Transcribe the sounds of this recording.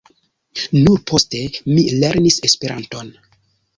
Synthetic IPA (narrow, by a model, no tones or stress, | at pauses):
nuɾpʰo̞ste̞mile̞ɾnise̞spe̞ɾʔa̰nto̞n